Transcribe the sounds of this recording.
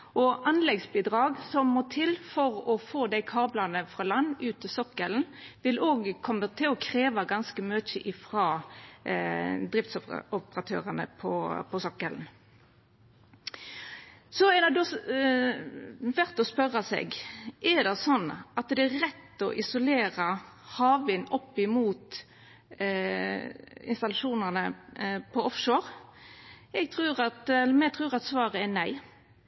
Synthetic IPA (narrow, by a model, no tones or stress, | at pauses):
ʔɔʔɑnlɛɡsbiːd̪ʁɑːɡsɔmːɔt̪ʰɪlfɔʁɔfoːd̪æɪkʰɑːblɑnəfʁɑlɑnːʉːt̪ɪsɔkːəln̩ | ʋɪlʔoːɡkʰɔmːət̪ʰɪlɔkʰɾeːʋɑɡɑnskəmøːt͡ʃəʔɪfɾɑː | d̪ʁɪft̪sɔpɔpəʁɑt̪ʰø̰ːʁənə̰pʰɔpʰɔsɔkːəln̩ | sɔɛd̪ɑd̪o | ʋæɾt̪ɔspœɾːɑsɛ̰ɡʔɛd̪ɑsɔnːʔɑt̪d̪ɛæɾɛt̪ːɔ̰ʔɪsʊleːɾə | hɑːʋɪnɔpːɪmuːt̪ | ɪ̰nst̪ɑlɑʂuːnənəpʰɔɔfʃoːɾ | ɛɡ̚t̪ʰʁʉːʁɑt̪ɛlːmɛt̪ʰʁʉːʁɑt̪sʋɑːʁəɛnæɪ